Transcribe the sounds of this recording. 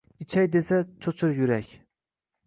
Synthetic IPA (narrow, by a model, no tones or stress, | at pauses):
it͡ʃʰɛjd̪esɛt͡ʃʰot͡ʃʰuɾjyɾɛkʲ